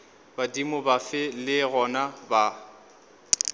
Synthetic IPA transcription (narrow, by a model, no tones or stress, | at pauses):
badimʊbafɪlɪɣɔnaba